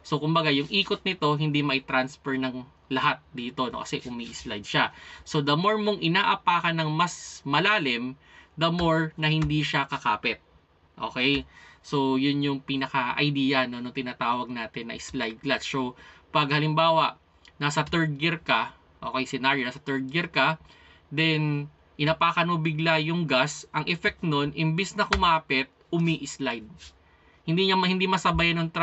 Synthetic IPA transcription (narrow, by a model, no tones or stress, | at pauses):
sokʊmbɐɡajʊŋʔiːkot̪̚nɪt̪o̞ɦɪnd̪imɐʔɪt̪ɾansfɛɹnɐŋ | lɐɦat̪̚d̪iːt̪o̞no̰kɐsɛʔʊmiːʔɪslajd̪̚ʃaso̞d̪ɐmo̞ɹmoŋʔɪnaːʔɐpaːkɐnɐŋmɐsmɐlaːlɪm | d̪ɐmo̞ɹnɐhɪnd̪iʃakɐkaːpɪt̪̚ | ʔo̞̰ːkɛjso̞jʊnjʊŋpiːnɐkɐʔɐ̰jd̪iːɐno̞noŋt̪ɪnaːt̪aːwɐɡ̚naːt̪ɪnːɐ̰ʔɪslajd̪̚ɡlassowpɐɡ̚hɐlɪmbaːwɐʔ | nasɐt̪ɛɹd̪̚ɡɪɾkɐ | ʔoːkejsɪnaɹjonasɐt̪ɛɹd̪̚ɡɪɾkɐ | d̪ɛn | ʔɪnapakɐnobɪɡlajʊŋɡasʔɐŋʔɛfɛk̚t̪no̞nʔɪmbɛsnɐkʊmaːpɛt̪̚ʔʊmiʔɪslajd̪̚ | hɪnd̪iɲamhɪ̃nd̪imɐsɐbajanoŋt̪ɾ